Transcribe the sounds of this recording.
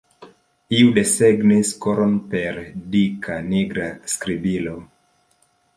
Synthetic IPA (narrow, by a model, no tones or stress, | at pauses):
iude̞seɡniskoɾonpe̞ɾdikʰaniɡɾaskɾibilo